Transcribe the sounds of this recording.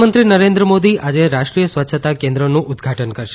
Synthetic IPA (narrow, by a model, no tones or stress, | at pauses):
mənt̪ɾinəɾẽnd̪ɾəmod̪iʔad͡ʒeɾaʃʈɾijəsʋətːʃʰət̪akẽnd̪ɾənũʔʊd̪ɡʱaʈənkəɾʃe̥